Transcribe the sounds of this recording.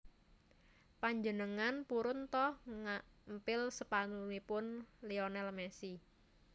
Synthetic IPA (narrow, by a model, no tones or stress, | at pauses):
paɲd͡ʒənəŋanpuɾʊnt̪ɔhŋampɪlsəpanunipʊnlionɛlmɛsi